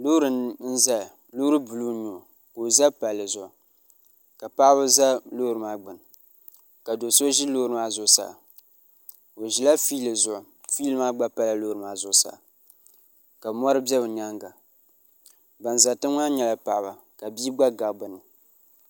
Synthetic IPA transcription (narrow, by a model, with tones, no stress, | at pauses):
lo˦ɾɨ˨n̩˦za˦˨ | lo˦ɾɨ˦bu˨lu˦ɲu˨ | ko˨za˦pa˨lːɨ˨zʊ˨ʔʊ˨ | ka˨pa˦ʔbʊ˦za˦lo˦ɾɨ˨maː˦ɡ͡bɨ˨n˨ | ka˨do˨so˦ʒi˦loː˦ɾɨ˨maː˦zʊ˦sa̰˨ | o˨ʒi˨la˦fiː˦lɨ˨zʊ˨ʔʊ˨ | fi˦lɨ˦maː˦ɡ͡ba˦pa˦la˨lo˦˨ɾɨ˨ma˦zʊ˦sa̰˨ | ka˨mɔ˦ɾɨ˦bjɛ˦bɨ˨ɲa˦ŋɡa˨ | ba˨nza˨tɨ˦ŋa˦ɲɛ˦la˨pa˨ba˨ | ka˨bi˦ɡ͡ba˦ɡa˨bʊ˨nɨ˨